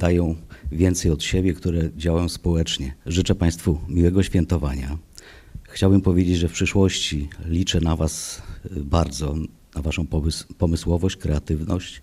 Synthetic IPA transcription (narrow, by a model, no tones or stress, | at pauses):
d̪̥ajɔ̃w̃vʲjɛnt̪sɛjɔt̪ɕebʲjɛkt̪uɾɛd͡ʑawajɔ̃w̃spɔwɛt͡ʂɲɛʐɘt͡ʂɛpaj̃st̪fumʲiwɛɡɔɕfʲjɛnt̪ɔvaɲa | xt͡ɕawbɘmpɔvʲjed͡ʑed͡ʑʐɛfpʂɘʂwɔɕt͡ɕilʲit͡ʂɛnavasbaɾd̪zɔ | navaʂɔ̃w̃pɔmɘswɔvɔɕt͡ɕkɾɛat̪ɘvnɔɕt͡ɕ